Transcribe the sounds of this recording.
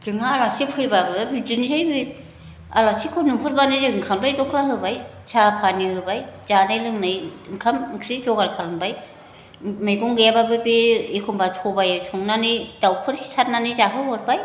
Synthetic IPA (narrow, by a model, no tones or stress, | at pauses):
tɯŋaːlasipʰɯjbabɯbidɯnizajbɯ | a̰lasikʰɔnupʰɯɾbanɯzeɯŋkʰamlajdɔkʰlaɦɯbaj | sʰapʰaniɦɯbajz̥anajlɯŋnajɯŋkʰamkʰɾikʰɔɡaɾkʰalɯŋbaj | mɯjɡɔŋɡɯjababɯbiekʰɔmbatʰɔbajsʰɔŋnanɯdawpʰɯɾsi̥sʰat̚nanɯzaɦɯwɔɾbaj